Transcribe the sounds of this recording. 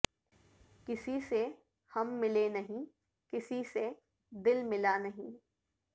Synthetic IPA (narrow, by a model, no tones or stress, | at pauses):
kɪsise | hɐmːɪlenɐɦĩ | kɪsise | d̪ɪlmɪlanɐɦĩː